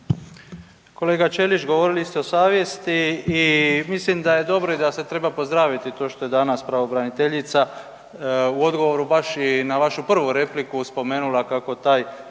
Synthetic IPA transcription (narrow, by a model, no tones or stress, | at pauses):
ko̞le̞ːɡat͡ʃe̞lit͡ʃɡo̞ʋo̞ɾilist̪eo̞saːʋje̞st̪iː | mislimd̪aje̞d̪o̞bɾo̞id̪ase̞t̪ɾe̞bapozd̪ɾaːʋit̪it̪o̞ːʃt̪o̞je̞d̪anaspɾaʋo̞bɾanit̪e̞ʎit̪sa | uo̞d̪ɡo̞ʋo̞ɾubaʃinaʋaʃupr̩ʋuɾe̞plikuspo̞me̞ːnulakako̞t̪aːj